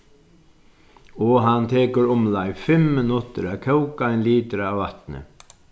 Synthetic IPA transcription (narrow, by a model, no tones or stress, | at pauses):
ɔɦant̪ʰɛːkʏɾʊmlajfɪmːɪnʊt̪ɪɾɛkʰœwkaɪnliːt̪ɾaːwvat̪nɪ̰